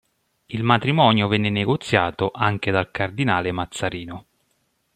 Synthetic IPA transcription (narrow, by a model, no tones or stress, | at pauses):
ilmat̪ɾimɔːnjovɛnːeneɡot̪sːjaːt̪oʔaŋk̟ed̪alkard̪inaːlemat̪sːaɾiːno